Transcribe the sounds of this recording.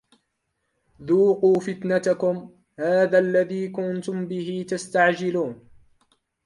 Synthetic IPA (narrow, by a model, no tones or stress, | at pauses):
ðuːquːfɪt̪nat̪akʊm | haːðaːʔlːaðiːkʊnt̪ʊmbɪɦit̪ast̪aʕd͡ʒɪluːn